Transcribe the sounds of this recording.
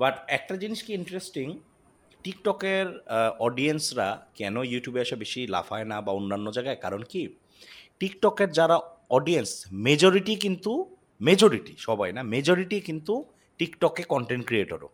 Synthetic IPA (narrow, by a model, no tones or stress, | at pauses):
baʈɛk̚ʈad͡ʑiniʃkiiɳʈɾesʈiŋ | ʈikʈɔkeɾɔɖiensɾa̰kɛnojuʈjubeaʃabeʃila̰fʰaenabaonːanːod͡ʑajɡaekaɾonki | ʈikʈɔkeɾd͡ʑaɾaɔɖiensmed͡ʑoɾiʈikint̪u | med͡ʑoɾiʈiʃɔbajnamed͡ʑoɾiʈikint̪u | ʈikʈɔkekɔɳʈeɳʈ̚kɾieʈo̰ɾo̰